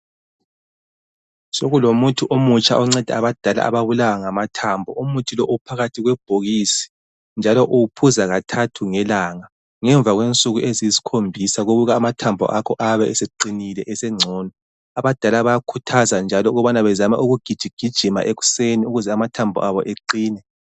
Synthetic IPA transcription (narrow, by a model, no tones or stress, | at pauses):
soɣulomutʰuʔomut͡ʃʰʼa̰ʔɔŋ͡ǀɛd̥ʱɛ̰aβad̥ʱala̰ʔa̰βaβulawaŋamatʰambʱɔumutʰilɔʔupʰaɣatʰiɣwɛb̥̚ʱoɣisi̥ | nd͡ʒʱalɔʔuwupʰuzaɣatʰatʰuŋɛlaŋa | ŋɛɱb̪vʱaɣwent͡sʼuɣuʔeziisi̥kʰombʱisaɣoɣuɣaːmatʰambʱɔ̰ʔakʰɔʔaβɛʔɛsɛǃinilɛʔɛsɛŋ͡ǀʱɔːnɔ | aβad̥ʱalaβajakʰutʰazand͡ʒʱalɔuɣɔβanaβɛzama̰ʔuɣuɡ̥ʱid̥ʒ̥ʱiɡ̥ʱid̥ʒ̥ʱima̰ʔeɣu̥seniuɣuzɛamatʰambʱɔ̰ʔaβɔ̰ʔeǃiːnɛ